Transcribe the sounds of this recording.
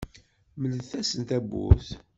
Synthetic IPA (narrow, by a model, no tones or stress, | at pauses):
mələðθæsənt̪æbːṵθ